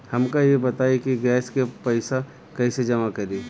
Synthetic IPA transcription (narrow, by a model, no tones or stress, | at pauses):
hɐmkajebɐt̪aːekiɡɛːskepɐɪsa | kɐised͡ʒɐmakɐɾiː